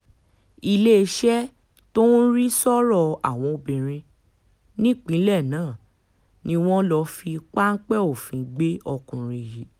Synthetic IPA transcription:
i˧le˦˧ʃɛ˦ | to˦n̩˦ɾi˦sɔ˦ɾɔ˦˨a̰˨w̃ɔ̃˨˧o˧bĩ˨ɾ̃ĩ˧ | nĩ˦k͡pĩ˨˦lɛ˦˨nãː˨˦˨ | nĩ˧w̃ɔ̃˦lɔ˧fi˧k͡pa˦n̩˦k͡pɛ˦o˨fĩ˨˦ɡ͡be˦ɔ˧kũ˨ɾĩ˧ji˨˦

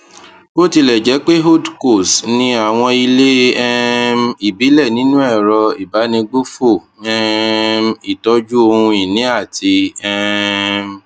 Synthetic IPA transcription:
bo˦ti˧lɛ˨d͡ʒɛ˨˦k͡pe˦ɦo˦˨dko˦˨snĩ˧a˦˨w̃ɔ̃˧i˧le˦ɛ˦mi˨bi˨˦lɛ˦˨nĩ˨˦nũ˦ɛ˦˨ɾɔ˧i˨ba˨˦nĩ˧ɡ͡bo˦fo˦˨ | ɛ˦˧mi˨tɔ˧d͡ʒu˦o˧hũ˧i˨nĩ˨˦a˦˨ti˧ɛ˦˧m

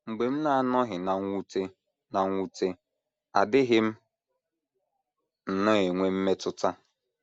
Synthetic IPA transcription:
ŋ͡m̩˨ɡ͡be˨m̩˦na˨a˦˨nɔ˦ɦɪ˨na˨ŋʷu˦te˦ | na˨ŋʷu˦te˦ | a˨dɪ˦ɦɪ˦m̩˦ | n̩˨nʊ˦e˨ŋʷe˦m̩˦me˦tʊ˦ta˦

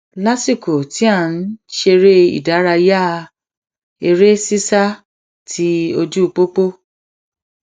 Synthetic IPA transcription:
la˦si˦˨ko˨ti˨˦a˦˨n̩˦ʃe˧ɾe˦ḭ˨da˨˦ɾa˧ja˦˧ | e˧ɾe˦si˦sa˦ | tʰi˦o˧d͡ʒu˦˧k͡po˦k͡po˦

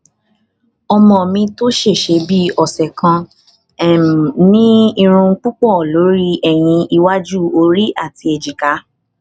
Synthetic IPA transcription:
ɔ˧mɔ̃˨mĩ˧to˦ʃe˦˨ʃe˧bi˦ɔ˨sɛ˨kã˧˨ | nĩ˦i˧ɾ̃ũ˧ŋ̩˦k͡pu˦k͡pɔ˦˨lo˨˦ɾi˦ɛ˦˨j̃ĩ˧i˧wa˦d͡ʒu˦˨o˧ɾi˦ʔa˦˨ti˧e˨d͡ʒi˨ka˨˦

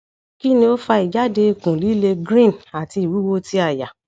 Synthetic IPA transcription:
ki˦nĩ˧o˦fa˧i˨d͡ʒa˨˦de˧i˧˨kũ˨li˨˦le˧ɡɾĩ˦˨na˨ti˧i˨wu˨˦wo˦ti˦a˦˨ja˨

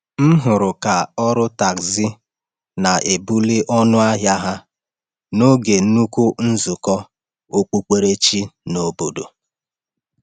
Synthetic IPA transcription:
m̩˦ɦʊ˨ɾʊ˨ka˨ɔ˦ɾʊ˦ta˨kzi˦ | na˨ʔe˨bu˦li˦ʔɔ˦nʊ˦a˦ɦja˦ɦa˦ | no˦ɡe˨˦nu˦ku˦n̩˦zu˨kɔ˦ | o˦k͡pu˦k͡pe˦ɾe˦t͡ʃi˦no˨bo˨do˨

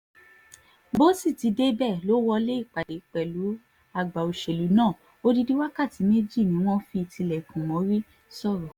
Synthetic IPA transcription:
bo˦si˦˨ti˨˧˦de˦bɛ˦˨lo˨˦wɔ˧le˦i˦˨k͡pa˨de˨k͡pɛ˨lu˨˦ | a˧˨ɡ͡ba˨o˧ʃe˨lu˨˦nãː˦˨ | o˦˧di˧di˦wa˦ka˦˨ti˨˦me˦d͡ʒi˦˨nĩ˨˦w̃ɔ̃˦fi˧tʰi˧lɛ˨kũ˨mɔ̃˨˦ɾi˦ | sɔ˦˨ɾɔ˨

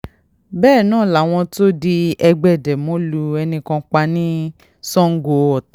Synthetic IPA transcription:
bɛː˦˨nãː˦˨la˨w̃ɔ̃˧to˦di˧ɛ˧ɡ͡bɛ˨dɛ˨mõ˨˦lu˧ɛ˧nĩ˧kɔ̃˧k͡pa˧nĩ˦ | sɔ̃˦ŋ̩˦ɡo˧ɔ˨ta˨˦

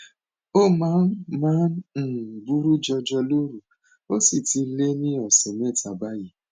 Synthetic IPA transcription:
o˦˨mãː˨˦nmãː˦n̩˦˨ | bu˦ɾu˦d͡ʒɔ˧d͡ʒɔ˧lo˦ɾu˨ | o˦si˦˨ti˧le˦nĩ˦ɔ˨sɛ˨nɛ̃˦˨tʰa˨ba˦ji˦

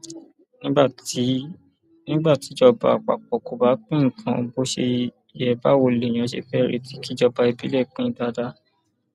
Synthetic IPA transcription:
nĩ˦ba˦˨ti˨˦ | nĩ˦ɡ͡ba˦˨ti˨˦d͡ʒɔ˧˨ba̰˧˨k͡pa̰˨k͡pɔ˨ko˨ba˨˦k͡pĩ˦ŋ̩˨kʰã˧bo˦ʃe˧ | i˨jɛ˨ba˨˦wo˧le˨j̃ã˨˦ʃḛ˧fɛ˦˨ɾḛ˨˧ti˨˦ki˦d͡ʒɔ˧ba˧i˧bi˦le˦˨k͡pĩ˦˨˦da˧˦da˦

